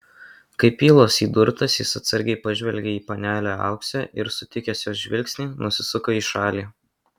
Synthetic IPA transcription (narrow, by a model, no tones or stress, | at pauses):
kɐɪpʲiːlˠoːsiːd̪ʊɾt̪ɐsjɪsɐt̪sɐɾʲɡʲɛɪpɐʒʲʋʲɛlʲɡʲeːiːpɐnʲæːlʲoːɑ̰ʊksʲæːʔɪɾsʊt̪ʲɪkʲɛsʲjoːsʒʲʋʲɪlʲksʲnʲiːnʊsʲɪsʊkoːiːʃɑːlʲiː